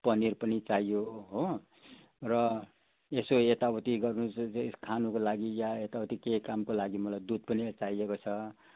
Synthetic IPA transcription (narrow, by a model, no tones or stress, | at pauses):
pʌnirpʌnit͡saijoɦo | rʌ | esoet̪abʌt̪iɡʌrnuskʰanukolaɡijaet̪abʌt̪ikekamkolaɡimʌlajd̪ud̪̚pʌnit͡saijekot͡sʰʌ